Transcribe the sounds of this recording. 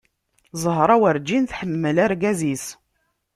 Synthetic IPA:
zˤəɦɾˤɑwəɾd͡ʒinθħəmːəlæɾɡæzis

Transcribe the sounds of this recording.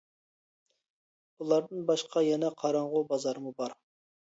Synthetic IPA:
bulˠɑɾd̪ɨnbɑʃqʰɑjɛnɛqʰɑɾɑɴʁubɑzɑɾɨmubɑɾ

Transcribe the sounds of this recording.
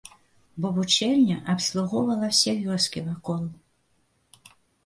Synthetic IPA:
bɔvut͡ʃɛlʲnʲɐʔɐpslˠuɣɔwvɐlˠɐsʲɛvʲjɔrskʲivakɔlˠ

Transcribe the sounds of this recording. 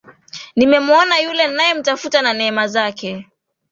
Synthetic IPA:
nimɛmuɔnajulɛnajɛm̩tafutananɛɛmazakɛ

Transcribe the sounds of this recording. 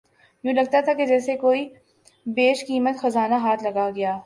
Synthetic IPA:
jũːlɐɡ̚t̪at̪ʰaked͡ʒɛːsekoːi | beːʃkiːmət̪xɐzaːnaɦaːt̪ʰlɐɡaɡɐjaː

